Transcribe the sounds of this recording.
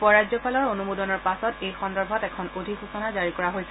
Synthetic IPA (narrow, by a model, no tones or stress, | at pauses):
pɔɹajzzɔpʰalɔɹonumudɔnɔɹpasɔtejxɔndɔɹbʱɔtɛkʰɔnodʱixusɔnazaɹikɔɹaɦojsɛ